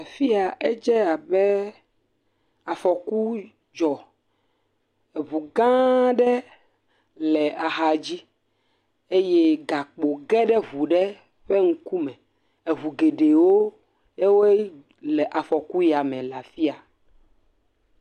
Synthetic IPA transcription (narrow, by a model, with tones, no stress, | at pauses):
a˨fi˦a˨ʔe˦d͡ʒɛ˦a˨bɛ˦ | a˨fɔ˨ku˦ | d͡ʒɔ˨ | e˨βu˨ɡã˦ɖɛ˦ | lɛ˨a˨xa˨d͡ʑi˦ | e˦je˦ɡa˨k͡po˨ɡɛ˦ɖɛ˦ɦu˨ɖɛ˦ | ɸe˦ŋũ˦ku˦mɛ̃˨ | e˨ɦu˨ɡe˨ɖe˨wo˦ | je˦wo˦e˦ | lɛ˨ʔa˨fɔ˨ku˦ja˨mɛ̃˨la˨fi˦a˨